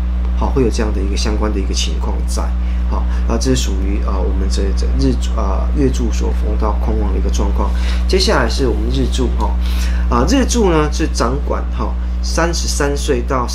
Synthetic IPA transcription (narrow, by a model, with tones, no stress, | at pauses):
hɔ˥˧xwe˥˩ɪjo˨˩ʈ͡ʂɤ˥˧jŋd̪ə˩i˧˥ɡə˧ɕjɑ˥ŋkwa˦nd̪ə˨i˧˥ɡə˨t͡ɕʰḭ˧˦˥ŋkʰwɑ̰˥˧ŋ˨t͡sa̰˥˩ɪ | hɔ˥˩ | na˥˧ʈ͡ʂɤ˥˩ʂ̩˥˩ʂu˨˩y˧˥ʔə˧wɔ˨˩mə˨˦nʈ͡ʂə˥˩ə˩ɡɻɻ̩˥˧˩ə̰˨˩ | ɥɛ˥˧ʈ͡ʂu˥˩swɔ̰˨˩fo̰˧˥ŋt̪ɑ˥˩ʊkʰʊ˥ŋwɑ˨˩ŋd̪ə˨i˧˥ɡə˧ʈ͡ʂwɑ˥˧ŋkʰwɑ̰˥˩ŋ | t͡ɕjɛ˥ɕja˥˩la˧˥ɪʂɻ̩˥˩wɔ˨˩mə˨˦nɻɻ̩˥˧ʈ͡ʂu˥˩xɔ̰˥˩ | ə˧ɻɻ̩˥˧ʈ͡ʂu˥˩nə˧ʂɻ̩˥˩ʈ͡ʂɑ˧˥ŋkwa̰˨˩˦nxɔ˥˩ | sa˦˥nʂɻ̩˧˥sa˦˥nswe˥˩ɪt̪ɑ˥˩ʊ